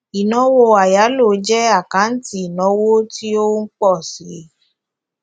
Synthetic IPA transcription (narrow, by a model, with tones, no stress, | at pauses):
i˨nɔ̃˧˦wo˧a˨ja˨˦lo˨˦d͡ʒɛ˦a˦˨kã˨˦n̩˦ti˦i˨nɔ̃˨˦wo˦ti˦o˦ŋ̩˦k͡pɔ˦˨si˨˦